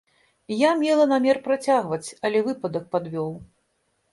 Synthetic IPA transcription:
jamʲɛlˠɐnamʲɛrpɾat͡sʲaɣvɐt͡sʲɐlʲɛvɨpɐd̪ɐk̚pad̪vʲɔw

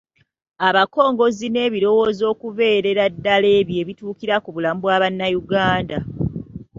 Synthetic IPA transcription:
aβako̞ːŋɡo̞zine̞ːβiɾo̞wo̞ːzo̞ːkuve̞ːɾe̞ɾadːale̞ːβje̞βituːkiɾakuβulamubwaːβanːajuɡaːnda

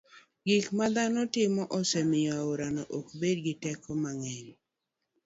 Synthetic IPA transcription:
ɡikmad̪anɔtɪmɔʔɔsɛmɪjaoɾanɔʔokbed̚ɡɪtɛkɔmaŋen

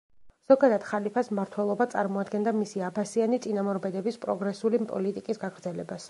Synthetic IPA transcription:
z̥ɔɡad̪ad̪̥χalipʰasmaɾt̪ʰwɛlˠɔbat̪sʼa̰ɾmɔad̪ɡɛnd̪amisiabasianit̪sʼinamɔɾbɛd̪ɛbispʼɾɔɡɾɛsulipʼɔ̰lit̪ʼikʼisɡaɡɾd̪zɛlɛbas

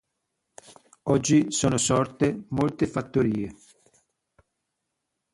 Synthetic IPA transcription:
ɔd͡ʒːisoːnosɔrt̪emolt̪efat̪ːoɾiːe

